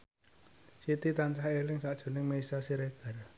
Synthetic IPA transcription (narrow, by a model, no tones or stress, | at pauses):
sit̪it̪ant͡ʃahelɪŋsaʔd̥ʒ̥o̤nɪŋmeisasiɾeɡ̥a̤r